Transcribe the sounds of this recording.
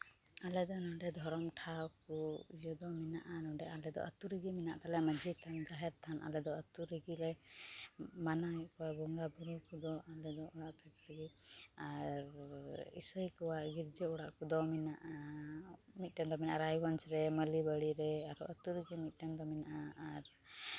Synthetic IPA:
alɛd̪ɔnɔɖɛd̪ʱɔɾɔmʈʰawkujɔd̪ɔminaʔanɔɖɛʔalɛd̪ɔ̰ʔə̰t̪uɾiɡimina̰ʔt̪alɛməd͡ʒit̪ʰand͡ʒaɦɛɾt̪ʰanʔa̰lɛd̪ɔət̪uɾiɡilɛ | manaɛʔkuwabɔŋɡabiɾɔkud̪ɔalɛd̪ɔʔɔɽaʔpʰɛkɾəɡiaɾḭsɔjkɔwaʔɡiɾd͡ʒɛɔɽaʔkud̪ɔminaʔa | mit̪̚ˀʈɛnd̪ɔminaʔaɾajwansɾɛməlibəɽiɾɛaɾɔʔət̪uɾiɡimit̪̚ˀʈɛnd̪ɔminaʔaaɾ

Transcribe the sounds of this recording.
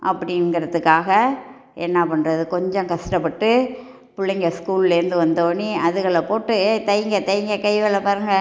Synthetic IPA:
ʔɐpːɐɽɪnɡɪɾɐðɯkːaːɣɐ | ɛnːɐpɐɳɾɐðɯkɔɲd͡ʒɔ̃ŋkɐʂʈɐpːɐʈːɯ | pʊɭːɐŋɡɐskuːllɪɾɯnd̪ɯʋɐnd̪oːniɐðɯɣɐɭɐpoːʈːɯt̪ɐjŋɡɐt̪ɐjŋɡɐkɐɪʋɛlɐpaɾɯŋɡɐ

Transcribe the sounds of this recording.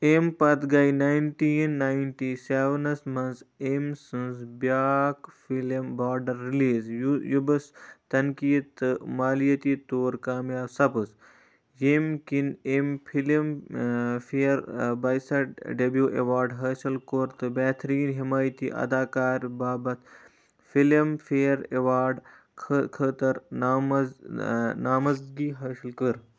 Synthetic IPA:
eːmpɐt̪ɡaːjnaːjnʈiːnːaːjnʈiːseːʋɐnɐsmɐnsemsɨnsbjaːkfilmbaːɾɖɐɾːiliːzjubɐst̪ɐnkiːt̪ɨmaːlijɐt̪iːt̪oːɾkaːmjaːbsɐpɨs | jemkinemfʰilim | feːɾbaːjsɐʈɖɐbjuːʔḛʋaːɾɖɦɐːʃɐlkoɾt̪ɨbɛːt̪ʰɾiːnɦimaːjt̪ḭːʔɐ̰d̪aːkaːɾbaːbɐt̪ | filimfeːɾḛʋaːɾɖʰ | kʰɐt̪ɐɾnam | naːmɐzɡiːɦɐʃlkəɾ

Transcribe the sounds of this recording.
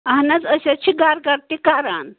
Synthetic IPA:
aɦnat͡səsat͡ɕʰiɡaɾɡaɾt̪ikaɾa̰n

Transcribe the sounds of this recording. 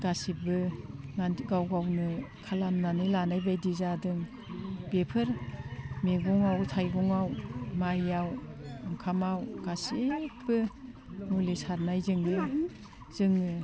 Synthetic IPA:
ɡ̥asibɯnanɡawɡawnɯkʰalamnanɯjlanajbajdizadɯŋ | bepʰɯɾmeɡɔŋawtʰajɡɔŋawmajawŋkʰamawɡ̥asib̥ɯ | ŋulisaɾnajzɯŋɯ | z̥ɯŋɯ

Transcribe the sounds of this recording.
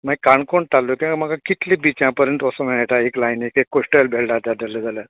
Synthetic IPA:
maɡikaɳkoɳt̪alːokʲĩam̤aɡakit̪lĩːbit͡ɕjãpəɾə̃nt̪ɔsə̃m̤ɛɳeʈaeklajnekekːosʈəlbʱeɭɖat̪ad̪aləd͡zala

